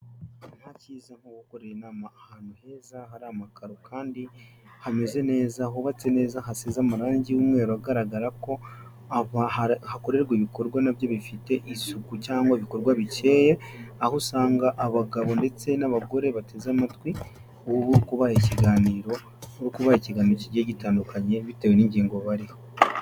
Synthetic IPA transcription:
n̥haciːzaŋ̥huwuko̞ɾejenaːmaːhaːn̥uhe̞ːzahaɾamakaɾokʰaːndihame̞ze̞ne̞ːzaɦoβat͡se̞ne̞ːzaɦasezamaɾaːɲɟiwumŋe̞ːɾuaɡaɾaɡaɾako̞ | aβahahako̞ɾe̞ɾɡwiβiko̞ɾɡwanaβjo̞βifite̞ʔisukucaːŋɡwaiβiko̞ɾɡwaβice̞ːje̞ahosaːŋɡaʔaβaɡaβo̞nde̞t͡se̞naβaɡo̞ɾe̞βate̞zamatwi | uwuβuɾukuβahaciɡaːniːɾo̞ | uɾukuβaɾaciɡaːniɾociɟeɟitaːndukʰaɲe̞βitewe̞niːɲɟiːŋɡoβaɾiho

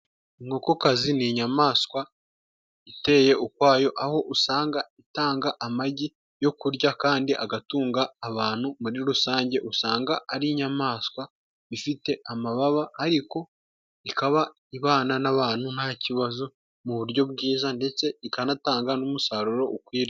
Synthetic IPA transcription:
iŋo̞kokaziniɲamaːskwa | ite̞ːje̞ʔukwaːjo̞ʔaho̞ʔusaːŋɡaitaːŋɡaʔamaɟi | jo̞kuɾɟakaːndiʔaɡatuːŋɡaːβaːn̥humuɾiɾusaːɲɟe̞ʔusaːŋɡaaɾiɲamaːskwa | ifite̞amaβaβahaɾiko̞ | ikaβa | iβaːnanaβaːn̥hunaciβazo | muβuɾɟo̞b̚ɡiːzande̞t͡se̞ikanataːŋɡanumusaɾuɾo̞ʔukwiːɾa

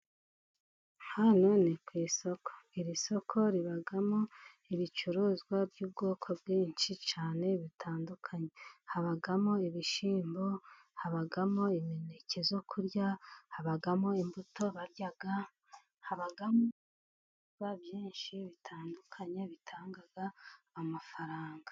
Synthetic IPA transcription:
hanonekwiːso̞kʰo̥iɾiso̞kʰo̞ɾiβaɡamo̞ | iβit͡ʃuɾoːzɡwabjuːb̚ɡo̞ːkʰo̞bɡiːnʃit͡ʃaːne̞βitʰaːndukʰaɲe̞haβaɡamo̞iβiʃiːmbo̞ | haβaɡamo̞ime̞ne̞ce̞zo̞kʰuɾjahaβaɡamo̞imbuto̞βaɾjaɡa | haβaɡamo | βabjiːnʃiβitʰaːndukʰaɲe̞βitʰaːŋɡaɡaːmafaɾaːŋɡḁ

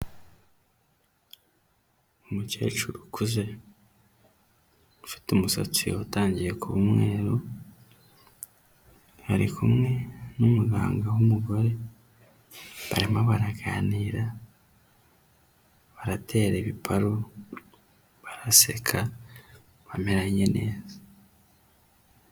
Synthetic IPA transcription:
umuce̞̰ːt͡ʃuɾukʰuze̞ | ufi̥tumuso̰t͡siataːɲɟije̞kʰuβumŋwe̞ːɾo | haɾḭkʰumŋe̞numuɡa̰ːŋɡawumuɡo̞ɾe̞ | βa̰ɾimaβaɾaɡa̰niːɾa | βaɾatʰe̞ːɾeβipʰaɾo | βaɾase̞̰kʰa | βameɾaɲene̞ːza

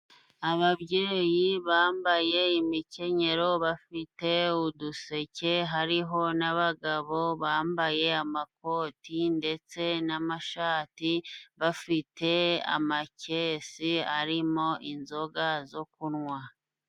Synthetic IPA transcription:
aβabɟiɾejiβaːmbaje̞imice̞ɲe̞ɾo̞βafite̞uduse̞ce̞ɦaɾiɦo̞naβaɡaβo̞βaːmbaje̞amak̚o̞ːtinde̞t͡se̞namaʃaːtiβafite̞a̰mace̞siaɾimo̞ʔinzo̞ɡazo̞kunŋwa

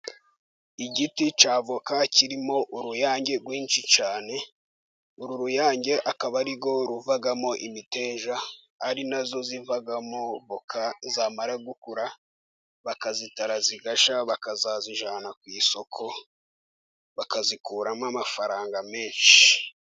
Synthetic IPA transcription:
iɟitit͡ʃaːvo̞kaciɾimo̞ʔuɾujaːɲɟe̞ɡwiːnʃit͡ʃaːne̞ | uɾuɾujaːɲɟe̞ʔakaβaɾiɡo̞ɾuvaɡamo̞ʔimite̞ːʒa | aɾinazo̞zivaɡamoβokazaːmaɾaɡukuɾa | βakazitaɾaziɡaʃaβakazaziʒaːnakwiːso̞kʰo̞ | βakazikuːɾamamafaɾaːŋɡame̞ːnʃi

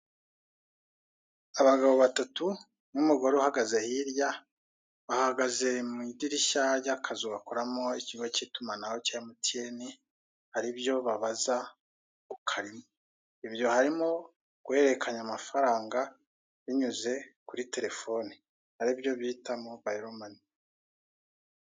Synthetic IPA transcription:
aβaɡaβo̞βatatu | numuɡo̞ɾeuhaɡaze̞hiɾja | βahaɡaze̞midiɾiʃaɟakʰazuβakoɾamoiciɡwocitumanaho̞caamutieni | haɾibjo̞βaβaza | kukʰaɾimo | iβjo̞haɾimo̞ | ɡ̥we̞ɾe̞kʰaɲamafaɾaːŋɡa | βiɲuze̞kuɾite̞ɾe̞fo̞ni | haɾiβjo̞βitamobaiɾomani

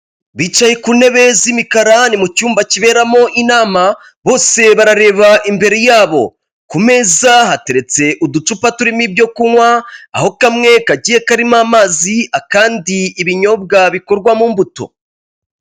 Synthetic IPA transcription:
βiːt͡ʃajekune̞βe̞zimikaɾanimucuːmbaciβe̞ːɾamo̞ʔinaːma | βo̞ːse̞βaɾaɾe̞ːβaʔimbe̞ɾe̞jaːβo̞̰ | kume̞ːzaɦate̞ɾe̞t͡se̞ʔudut͡ʃupatuɾimibjo̞kuwaa̰ho̞kamŋe̞kaɟiːje̞kaɾimaːmaːziakaːndiːβiɲo̞b̚ɡaβiko̞ɾɡwamuːmbuto̞̰

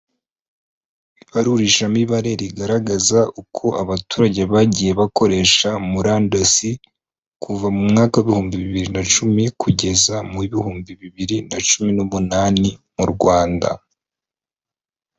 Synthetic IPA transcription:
iβaɾuɾiʃamiβaɾe̞ɾiɡaɾaɡazaukʰo̞ʔaβatuːɾaɟe̞βaɟije̞βako̞ɾe̞ːʃamuɾaːndasi | kʰuvamumŋaːkaweβihuːmbiβiβiɾinat͡ʃumikʰuɟe̞zamuiβihuːmbiβiβiɾinat͡ʃuminomunaːnimuɾɡwaːnda̰

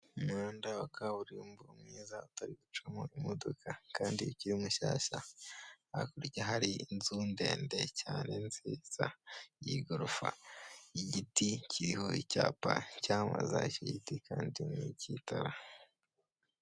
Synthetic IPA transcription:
maːndawakaβuɾiumbuɾumŋiːzautaɾiɡut͡ʃamoimodokʰakaːndiciɾimuʃaːʃa | a̰kuɾiceɦaɾinzuːnde̞ːnde̞caːne̞nziːz̥ajiɡoɾufa̰iɟiticʰiɾiho̞icaːpacaːma̰zaiceɟitikʰaːndinicitʰaɾa

